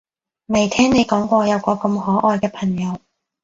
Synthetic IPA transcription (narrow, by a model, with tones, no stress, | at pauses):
mɐ˨˩jt̪ʰɛː˥ŋne˨˧jkɔː˨˥ŋkʷɔː˧jɐ˨˧wkɔː˧kɐ˧mɦɔː˨˥ʔɔː˧jkɛː˧pʰɐ˨˩ŋjɐ˨˧w